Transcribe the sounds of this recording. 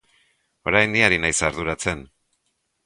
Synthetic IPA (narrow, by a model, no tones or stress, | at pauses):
o̞ɾajnd̪iaɾinajsaɾðuɾat͡se̞n